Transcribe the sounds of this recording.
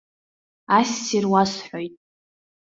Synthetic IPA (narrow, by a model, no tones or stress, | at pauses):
asːirwasħojtʼ